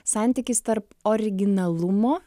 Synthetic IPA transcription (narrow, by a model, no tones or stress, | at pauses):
sɑˑnʲt̪ʲɪkʲɪst̪ɐɾpoɾʲɪɡʲɪnɐlˠʊmoː